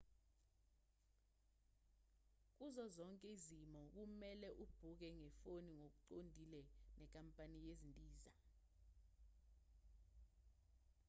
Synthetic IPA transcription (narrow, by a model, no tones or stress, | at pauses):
k̬uzɔzɔŋkʼɛizimɔk̬umɛlɛʔub̥ʱuk̬ɛŋɛfoniŋok̬uǀondʱilɛnɛk̬ʼampʼanijezindʼʱiːza